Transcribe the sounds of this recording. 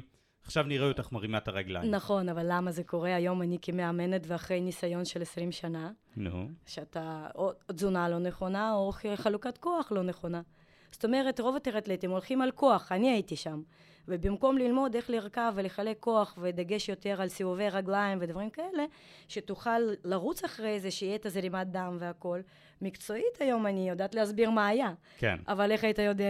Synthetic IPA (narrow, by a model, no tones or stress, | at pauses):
aχʃavniʁejot̪aχmaʁimataʁaɡla̰jnaχo̞navalːamaze̞ko̞ʁe̞ajo̞manikemeame̞net̪veaχʁe̞jnisajo̞nʃe̞lesʁimʃana | nʃeat̪aodzunalo̞ne̞χo̞naoχalukat̪ko̞aχlo̞ne̞χo̞na | z̥o̥t̪o̞me̞ʁe̞tʁo̞vat̪eʁat̪let̪imo̞lχimalko̞aχaniaitiʃam | vebimko̞mlilmo̞d̪e̞χliʁkaveleχale̞kːo̞aχved̪aɡe̞ʃjo̞t̪e̞ʁalsivuve̞jʁaɡlaimved̪vaʁimkae̞le̞ | ʃet̪uχalːaʁut͡saχʁejezeʃiet̪azelimat̚d̪amveako̞l | mikt͡so̞it̪ajo̞manijod̪aːt̪liasbiʁmaːja | kḛavale̞χait̪ajo̞d̪e